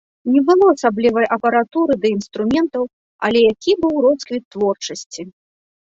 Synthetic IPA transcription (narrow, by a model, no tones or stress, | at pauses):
nʲɛbɨlˠɔɐsablʲivɐjʔɐpɐɾat̪uɾɨd̪ɐinst̪ɾumʲɛnt̪ɐw | ɐ̰lʲɛjakʲibɨwrɔskvʲit̪ːvɔrt͡ʂɐsʲt͡sʲi